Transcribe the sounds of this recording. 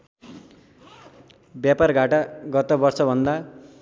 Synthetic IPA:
bjaparɡʱaʈaɡʌt̪ʌbʌrsʌbʱʌnd̪a

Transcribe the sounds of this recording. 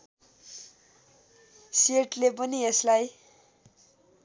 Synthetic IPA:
seʈlepʌnieslaj

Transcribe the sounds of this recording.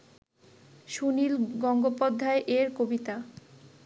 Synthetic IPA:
ʃunilɡɔŋɡopod̪ʱːaeʔeɾkobit̪a

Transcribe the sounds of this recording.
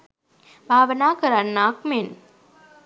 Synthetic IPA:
bʱaːʋənaːkəɾanːaːkmen

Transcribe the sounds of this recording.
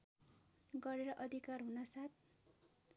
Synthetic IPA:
ɡʌɾeɾʌʔʌd̪ʱikarɦunʌsat̪̚ʰ

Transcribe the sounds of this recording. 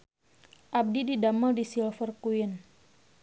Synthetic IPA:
ʔab̚dididaməldisilfərkuɪn

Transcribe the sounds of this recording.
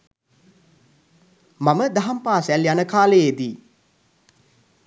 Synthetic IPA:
maməd̪aɦampaːsæljanəkaːləjed̪i

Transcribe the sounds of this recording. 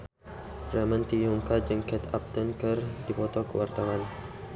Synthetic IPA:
rɛmant̪ijuŋkad͡ʒaŋkɛt̪ap̚t̪ɔnkərdipɔt̪ɔkəwart̪awan

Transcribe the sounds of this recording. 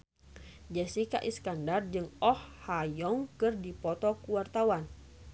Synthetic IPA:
d͡ʒasika̰ʔiskandard͡ʒɨŋɔhhajɔŋkɨrdipɔt̪ɔkuwart̪awan

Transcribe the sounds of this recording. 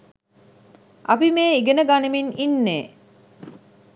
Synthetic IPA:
ʔapimeːiɡenəɡanəmininːeː

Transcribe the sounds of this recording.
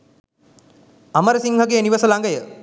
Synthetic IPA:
aməɾəsiŋhəɡeəniʋəsəlaŋɡəjə

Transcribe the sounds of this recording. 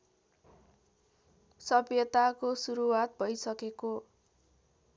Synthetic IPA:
sʌbjʌt̪akosuɾuwat̪̚bʱʌjsʌkeko

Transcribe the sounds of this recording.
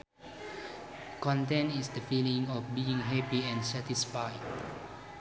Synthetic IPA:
kɔ̃ntɛ̃ntisdəfilĩŋɔfbiɪ̃ŋɦɛpiɛ̃nsɛtisfajd̚

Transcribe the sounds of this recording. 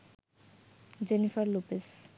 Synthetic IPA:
d͡ʑenifaɾlupes

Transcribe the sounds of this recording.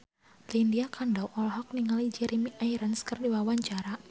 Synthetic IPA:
lindiakandawʔɔlɦɔk̚niŋalid͡ʒɛɾimiʔaiɾansə̥kərdiwawaɲt͡ʃaɾa

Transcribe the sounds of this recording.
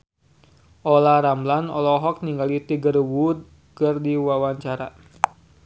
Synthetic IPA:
ʔɔlaɾamblanɔ̰lɔɦɔk̚niŋɡalit̪iɡərwud̪̚ | kərdiwawaɲt͡ʃaɾa̰

